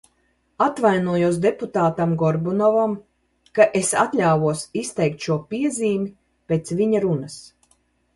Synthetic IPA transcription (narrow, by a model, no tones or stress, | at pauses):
at̪vajnuɔjuɔs̬d̪eput̪aːt̪amɡɔɾbunɔvam | kaʔesat̪lʲaːvuɔsist̪ɛjk̚t̪ʃuɔpiɛziːmi | pʲeːt̪sviɲaɾunas